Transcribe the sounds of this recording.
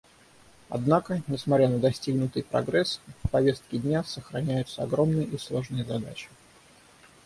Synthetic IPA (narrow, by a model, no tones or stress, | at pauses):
ɐ̰d̪nakənʲɪsmɐtʲɾʲanəd̪ɐsʲtʲiɡnʊt̪ɨjpɾɐ̰ɡɾɛsfpɐvʲe̞st̪̚kʲɪdʲnʲasəxɾɐnʲæjʊt̪səɐɡɾo̞mnɨjʔislˠo̞ʐnɨjəzɐd̪a̰t͡ɕɪ̥